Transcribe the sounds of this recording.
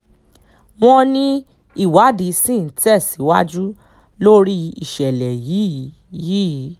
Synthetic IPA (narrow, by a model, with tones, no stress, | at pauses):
m̃ɔ̃˧nĩ˦ | i˦˨wa˨˦di˨˦sĩ˦˨˦tɛ˦˨si˨˦wa˦d͡ʒu˦ | lo˦ɾi˦ḭ˨ʃɛ˨lɛ˨ji˨˦˨ | ji˨˦˨